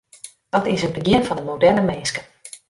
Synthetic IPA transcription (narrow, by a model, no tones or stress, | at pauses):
d̥ɔtɪsətbəɡɪənfɔndəmowdɛrnəmeːskə